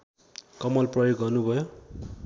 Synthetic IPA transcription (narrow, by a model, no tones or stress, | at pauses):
kʌmʌlprʌjoɡːʌrnubʱʌjo